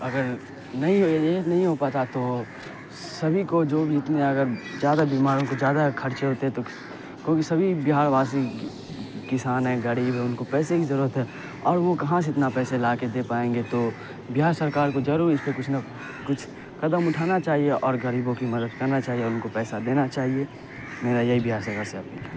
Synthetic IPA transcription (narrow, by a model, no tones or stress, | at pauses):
ɐɡəɾ | nɐɦĩɦoeeːnɐɦĩɦopaːt̪at̪o | sɐbʱikod͡ʒoːbʱiɪt̪neɐɡəɾzjaːd̪abiːmaːɾõkod͡ʒjaːd̪akʰɐɾt͡ʃeɦoːt̪eɦɛ̃t̪o | kjõːkisɐbʱibɪɦaːɾʋaːs̬i | kɪsaːnɦɛɡɐɾiːbʱɦɛʊnkopɛːsekizɐɾuːɾət̪ɦɛ | ɔːɾʋokɐɦãseɪt̪napɛːselaːked̪eːpaːẽːŋɡet̪o | bɪɦaːɾsəɾkaːɾkod͡ʒɐɾuːɾɪspekʊt͡ʃʰna | kʊt͡ʃʰ | kɐd̪əmʊʈʰaːnat͡ʃaːɦieʔɔːɾɡəɾiːbõkimɐd̪əd̪̚kɐɾnat͡ʃaːɦieɔʊnkopɛːsad̪eːnat͡ʃaːɦie | meːɾajɐɦibɪɦaːɾsəɾkaɾseɐpnia